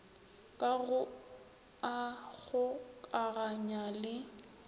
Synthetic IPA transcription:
kʼaɣʊ | aɣʊkʼaɣaɲalɪ

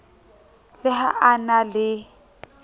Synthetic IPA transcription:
lɪɦa̰ʔanalɪ

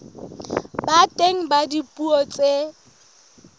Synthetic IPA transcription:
batʼeŋ̩badipʼuɔt͡sʼe

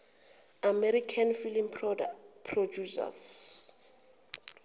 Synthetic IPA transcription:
amɛɾikʰanfilim | pʰrodusa̰s

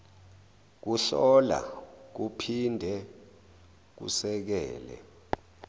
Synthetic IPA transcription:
k̬uɬɔla̰k̬upʰindʱɛ | k̬ṵsɛk̬ɛːlɛ̰

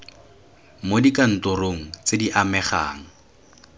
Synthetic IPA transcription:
modikan̩tʊroŋ̩t͡sediʔamɛχa̰ːŋ̩

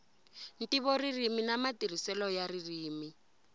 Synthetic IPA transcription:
n̩tiβɔririminamatirisɛlɔjaririːmi

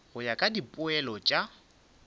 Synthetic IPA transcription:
ɣʊjakʼadipʼʊɛlɔt͡ʃʼa

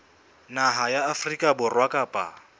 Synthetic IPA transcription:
naɦajaːfrikʼabʊrwakʼaːpʼa̰

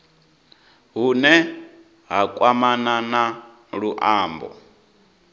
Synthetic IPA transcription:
ɦunɛ | ɦakʼwamanana | ɺuʔaːmbɔ̰

